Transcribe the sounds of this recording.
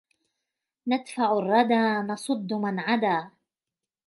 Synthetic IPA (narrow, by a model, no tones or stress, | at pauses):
nad̪faʕʊrˤːɑd̪aːnɑsˤʊd̪ːʊmanʕad̪aː